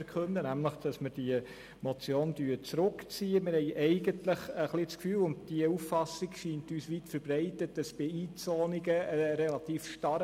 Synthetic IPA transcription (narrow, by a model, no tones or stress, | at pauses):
kʰχɵndənæmləχd̥ɑsmɪɾd̥iə | mɔt͡sjoːnd̥yːɾt͡sɾʊkt͡siːəmɪɾhɛɪʔɛɪɡəntləχəχlit͡skfyːlʊnd̚d̥iəuffɑsiɡʃiːntyːsʋitfəɾbrɛɪtət̚dɑsb̥ɪiːt͡sɔːniɡəəɾɛlɑtiːfʃtɑɾ